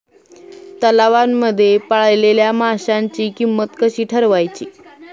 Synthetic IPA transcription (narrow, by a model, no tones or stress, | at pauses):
t̪əlaʋanːəd̪ʱːjepaɭajleljamaɕaɲt͡ɕiːkimːət̪kəɕiːʈʰəɾʋajt͡ɕiː